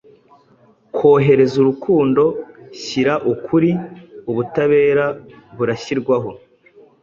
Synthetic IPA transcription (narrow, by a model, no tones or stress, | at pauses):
kwo̞ːɦe̞ɾe̞zuɾukuːndo̞ɕiɾaʔukʰuɾiuβutaβe̞ːɾaβuɾaçiɾɡwaɦo̞